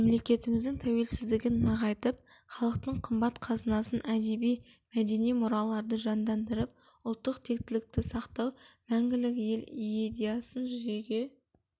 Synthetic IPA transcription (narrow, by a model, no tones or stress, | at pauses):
emle̞kʲe̞t̪ɪmɪzd̪ɪŋt̪ʰæwe̞lsɪzd̪ɪɡʲɪnːɑʁɑjt̪əp̚χɑlˠəq̚t̪əɴqʰəmbɑt̪qʰɑzənɑsənæd̪e̞bij | mæd̪e̞nijmʊɾɑlˠɑɾd̪əʒɑnd̪ɑnd̪əɾəp̚ | ʊlˠt̪ːəqt̪ʰe̞k̚t̪ɪlɪk̚t̪ɪsɑqt̪ɑwmæŋɡʲɪlɪkje̞led̪ijasənʒʏze̞ɡʲe̞